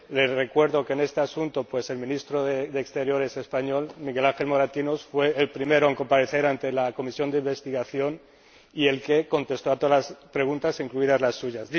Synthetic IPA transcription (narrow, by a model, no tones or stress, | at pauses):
le̞rekwe̞ɾðo̞kene̞st̪easunt̪o̞pwe̞se̞lmĩnist̪ɾoðeðeːkst̪e̞ɾjo̞ɾe̞se̞spaɲo̞lmiɣe̞lãŋxe̞lmo̞ɾat̪inosfwe̞ːlpɾime̞ɾoeŋko̞mpaɾe̞θe̞ɾant̪e̞lako̞misjo̞nd̪eimbe̞st̪iɣaθjo̞n | ie̞lke̞ko̞nt̪e̞st̪o̞at̪olaspɾe̞ɣ̞unt̪asiŋkluiðazlasːuʝazi